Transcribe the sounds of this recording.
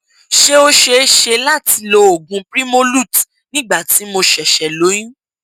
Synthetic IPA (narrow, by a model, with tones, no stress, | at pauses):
ʃe˦o˦ʃe˧˦ʃe˧la˦˨ti˧lo˧˦o˨ɡũ˨˧˦pɾi˦mo˦lu˦˨t | nĩ˦˨ɡ͡ba˦˨ti˨˦mo˧ʃɛ˨ʃɛ˨lo˨˦jĩ˦